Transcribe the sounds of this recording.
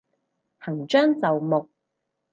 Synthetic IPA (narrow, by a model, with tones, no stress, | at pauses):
hɐ˨˩ŋt͡ʃœː˥ŋt͡sɐ˨wmʊ˨k̚